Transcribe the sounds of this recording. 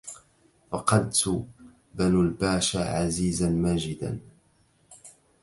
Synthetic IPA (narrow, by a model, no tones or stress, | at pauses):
fɑqɑd̪t̪ | banulbaːʃaʕaziːzanmaːd͡ʒɪd̪a̰n